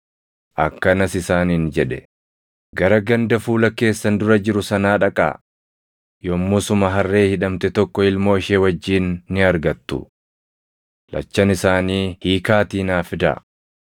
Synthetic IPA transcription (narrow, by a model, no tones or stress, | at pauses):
ʔɐkːɐnɐsɪsaːniːnd͡ʒɛᶑɛ | ɡɐɾɐɡɐnd̪ɐfuːlɐke̞ːsːɐnd̪ʊɾɐd͡ʒɪɾʊsɐnaːᶑɐkʼa̰ː | jomːuːsʊmɐɦɐrːe̞ːhɪᶑɐmt̪ɛt̪ɔkːɔɪlmo̞ːɪʃeːwɐd͡ʒːiːnːɪɐɾɡɐt̪ːʊ̰ | lɐ̰t͡ʃːɐnɪsaːniːhiːkaːt̪iːnaːfɪd̪ɐ̰